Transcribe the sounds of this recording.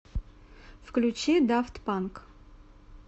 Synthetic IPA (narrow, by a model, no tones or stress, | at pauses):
fklʲut͡ɕid̪aft̪pank